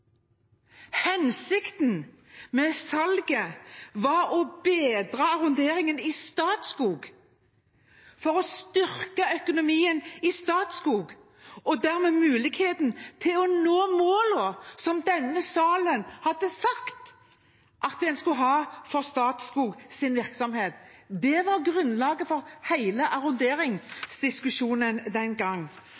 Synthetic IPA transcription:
hɛnsɪkt̪n̩ | mɛsɑlɡəʋɑɾɔbeːd̪ʁɑːɑʁʊnd̪eːɾɪŋənɪst̪ɑːt̪skuːɡ | fɔʁɔst̪ʏʁkəœkʊnʊmiːənɪst̪ɑːt̪skuːɡ | ɔd̪æːʁmɛːmʉːlɪɡheːt̪n̩t̪ʰɪlɔnoːmoːlɔsɔmd̪ɛnːəsɑːlənhɑd̪ːəsɑkt̪ | ʔɑt̪̚d̪ɛnskʉɦɑːfɔʁst̪ɑːt̪skuːɡsɪnʋɪʁksɔmheːt̪d̪ɛʋɑʁɡʁʉnːlɑːɡəfɔɾhæɪləʔɑʁʊnd̪eːɾɪŋsd̪ɪskʉʃuːnənd̪ɛnɡɑŋː

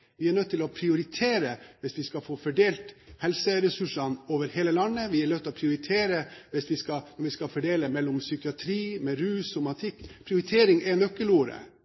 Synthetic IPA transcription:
ʋɪæɳœt̪ːt̪ːɪlɔpʰɾɪʊɾɪt̪ʰeːɾəʋɪsʋɪskɑfoːfɔɖeːlt̪hɛlsəɾɛsʉʂɑnoːʋəɾheːləlɑnːəʋɪæɳœt̪ʰːɪlɔpʰɾɪʊɾɪt̪ʰeːɾəʋɪsʋɪskɑnɔɾʋɪskɑfɔɖeːləmɛlːʊmsʏkɪɑt̪ʰɾiːmɛɾʉːsɔmɑt̪ʰɪkːpʰɾɪʊɾɪt̪ʰeːɾɪŋɛnœkːəluːɾə̰

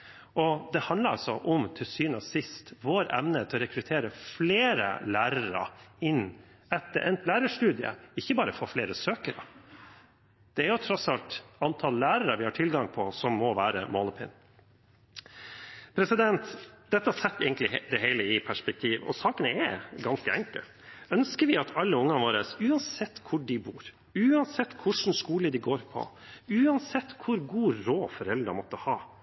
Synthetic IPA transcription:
ʔɔd̪ɛhɑnd̪ləɾɑ̰lsɔʔɔmt̪ʰɪlsyːnəsɪst̪ʋoːɾɛ̰mnət̪ʰɛɔɾɛkɾʉt̪ʰeːɾəfleːɾə̰læːɾəɾə̰ɪnː | ɛt̪ːəɾʔɛnt̪læːɾəʂtʉːd̪ɪə̰ɪçːəbɑːɾəfɔfleːɾəsøːkəɾə̰ | d̪̥ɛæɾjʊt̪ʰɾɔtsɑlt̪ɑnt̪ʰɑlːæːɾəɾəʋɪhɑʈʰɪlɡɑŋpʰɔsɔmːɔʋæːɾə̰mɔləpʰɪ̰n | pʰɾɛsɪd̪ɛnt̪d̪̥ɛt̪ːəhɑsɛt̪ːɛ̰ːɡən̩lɪd̪ɛheɪləɪpʰæʂpɛk̚t̪ʰiːʋɔ̰sɑːkənəɛɡɑnskəɛŋkə̰ | œnskəɾʋɪɑt̪ʰɑlːəʊŋːɑʋoːɾəsʉːɑnsɛt̪ːkʰʊɖɪbuːɾ | ʉːɑnsɛt̪ːkʰʊʂn̩ʂkuːləd̪ɪɡoːɾpʰɔ̰ | ʉːɑnsɛt̪ːkʰʊɾɡuːɾoːfɔɾɛld̪ɾəmɔt̪ːəhɑː

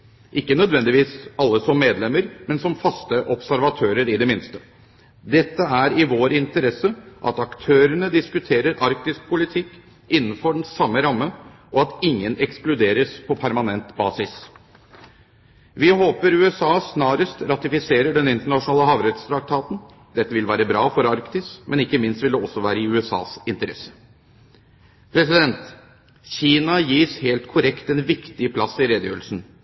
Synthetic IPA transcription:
ʔɪkːənœd̪ʋɛnd̪ɪʋiːsɑlːəsɔmːeːd̪lɛməɾmɛnsɔmfɑst̪əʔɔpsæɾʋɑt̪ʰøːɾəɾɪd̪ɛmɪnst̪ə̥ | d̪ɛt̪ːəæɾɪʋoːɾɪnt̪əɾɛsːəʔɑ̰t̪ɑkt̪ʰøːɾəɳəd̪ɪskʉt̪ʰeːɾəɾʔɑɾk̚t̪ɪsk̚pʰʊlɪt̪ʰɪkː | ɪnːn̩fɔɖɳn̩sɑmːəɾɑmːəʔɔɑt̪ɪŋːənɛksklʉd̪eːɾəspʰɔpʰæɾmɑnɛnt̪bɑ̰ːsɪs | ʋɪhoːpəɾʉːɛsɑːsnɑːɾəst̪ɾɑt̪ɪfɪseːɾəɖɛnɪnt̪əɳɑʂʊnɑːləɦɑːʋɾɛt̪st̪ʰɾɑk̚t̪ʰɑːt̪n | d̪ɛt̪ːəʋɪlʋæːɾəbɾɑːfɔɾɑɾkt̪ɪsmɛnɪkːəmɪnst̪ʋɪld̪əɔsːɔʋæːɾəɪʉːɛsɑ̰ːsɪnt̪əɾɛ̰sə̥ | pʰɾɛsɪd̪ɛnt̪ | çiːnɑjiːsheːlt̪kʰʊɾɛkt̪ɛnʋɪkt̪ɪəpʰlɑsːɪɾeːd̪jø̰ːɾlsn̩

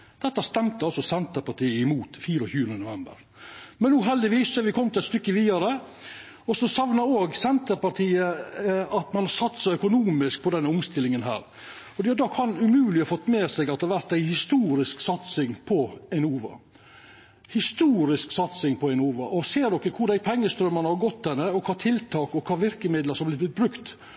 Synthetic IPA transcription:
d̪̥ɛt̪ːɑst̪ɛmt̪əɑlsɔsɛnt̪əɾpɑʈʰiːəɪmuːt̪fiːɾɔçʉːɾənənʊʋɛmbə̰ɾ | mɛnːuːɦɛld̪ɪʋiːsːɛʋɪkʰɔmːt̪ɪlɛt̪st̪ʏkːəʋiːd̪ɑɾə | ɔsɔsɑʋnɑɾoːɡsɛnt̪əɾpɑʈʰiːəɑt̪mɑnhɑɾsɑt̪ːsæɪœkʊnuːmɪsk̚pʰɔd̪ɛnːəʊmst̪ɪlːɪŋənɦæ̰ːɾ | fɔdɖɛjʉd̪ɑkʰɑnʉmʉːlɪɔfɔt̪ːmeːsɛɡɑt̪ːɾʋæɾt̪æɪhɪst̪uːɾɪsksɑt̪sɪŋpʰɔɛɪnuːʋɑ̰ | hɪst̪uːɾɪsksɑt̪sɪŋpʰɔæɪnuːʋɑ̰ʔɔseːɾɖ̪ɔkːəkʰʊɾɖ̪æɪpʰɛŋːəst̪ɾœmənhɑɾɡɔt̪ːd̪ɛnəɔkʰɑːt̪ʰɪlt̪ʰɑːkɔkʰɑːʋɪɾkəmɪd̪ləɾsɔmb̪lɪb̪ɪt̪̚bɾʉkt̪

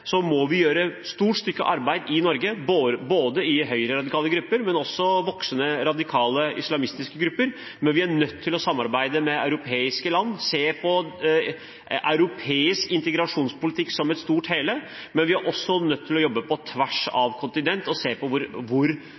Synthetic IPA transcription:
sɔmɔʋɪjøːɾəst̪uːʈst̪ʏkːə̰ʔɑɾbæɪd̪ɪnɔɾɡəboːboːd̪əɪɦœʏɾəɾɑd̪ɪkʰɑːləɡɾʉpːəɾmɛnɔsːɔʋɔksənəɾɑd̪ɪkʰɑːləʔɪ̰slɑmɪst̪ɪskəɡɾʉpːəɾ | mɛnʋɪæɳœt̪ʰːɪlɔsɑmːɑɾbæɪd̪əmɛɑ̰ʉɾʊpʰeːɪskəlɑnːseːpʰɔ | ʔa̰ʉɾʊpʰeːɪskɪnt̪əɡɾɑʂuːnspʊlɪt̪ʰɪkːsɔmɛt̪st̪uːʈheːlə | mɛnʋɪæɾʔɔsːɔnœt̪ʰːɪlɔjɔbːəpʰɔt̪ʰʋæʂɑ̰ʋkʰʊnt̪ɪnɛnt̪ɔseːpʰɔʋʊɾʋʊɾ

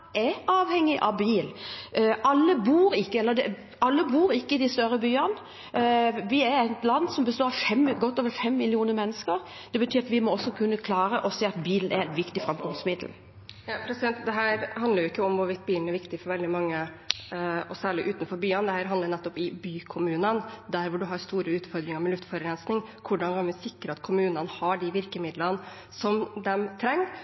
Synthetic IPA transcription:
ɛɾɑːʋhɛŋːɪʔɑʋbiːlʔɑlːəbuːɾɪkːəɛlːəd̪ɛ | ɑlːəbuːɾɪkːəɪd̪ɪst̪œɾəbyːɑn | ʋɪɛɾæɪt̪lɑnːsɔmbəst̪oːɾɑfɛmɡɔt̪ːoːʋəɾfɛmːɪlɪuːnəmɛnːəskəɾ | d̪̥ɛbət̪ʰyːɾɑt̪ʋɪmɔɔsːɔkʰʉnːəkʰlɑːɾəʔɔseːɑt̪biːlnɛ̰ɾɛnʋɪkt̪ɪfɾɑmkʰɔmsmɪd̪l̩ | jɑpʰɾɛsɪd̪ɛnt̪d̪ɛɦæːɾhɑnd̪əɾjʊɪkːəɔmʋʊʋɪt̪ːbiːln̩ɛɾʋɪkt̪ɪfɔɾʋɛld̪ɪmɑŋːə | ɔsæːɭɪʔʉːt̪nfɔɾbyːənd̪ɛhæːɾɦɑnd̪əɾnɛt̪ːɔpɪbyːkʰʊmʉːnənd̪æɾʋʊɖʉɦɑɾst̪uːɾəʉːt̪fɔɾd̪ɾɪŋəɾmɛlʉft̪fɔɾəɾɛnsnɪŋkʰʊɖɑnɡɑnʋɪsɪkɾəɑt̪kʰʊmʉːnənhɑɖɪʋɪɾkəmɪd̪lən | sɔmd̪ɛmt̪ʰɾɛŋː

